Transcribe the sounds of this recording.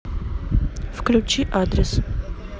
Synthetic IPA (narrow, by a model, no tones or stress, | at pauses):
fklʲut͡ʃiʔad̪ɾəs